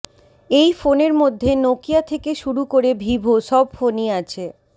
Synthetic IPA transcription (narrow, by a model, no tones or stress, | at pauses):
ejfoneɾmod̪ʱːenokijat̪ʰekeʃuɾukoɾebʱibʱoʃɔbfoniat͡ɕʰe